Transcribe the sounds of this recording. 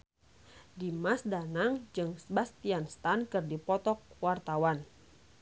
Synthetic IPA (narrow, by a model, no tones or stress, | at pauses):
dimasdanaŋd͡ʒɨŋsbast̪ianst̪ankɨrdipɔt̪ɔk̚wart̪awan